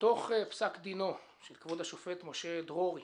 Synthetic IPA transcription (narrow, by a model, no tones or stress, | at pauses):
t̪oχepsakd̪ino | ʃelkvodhaʃofet̪moʃed̪ʁoʁi